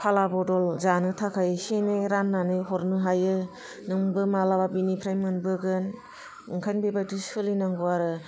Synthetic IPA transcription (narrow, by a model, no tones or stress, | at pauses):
pʰalabɔdɔlzanɯtʰakʰajsenɯɾanːanɯjɦɔɾnɯɦajɯ | nɯŋbɯmalababinipʰɾajmɯnbɯɡɯn | ɯŋkʰajnbebajtusɯlinaŋɡuaɾɯ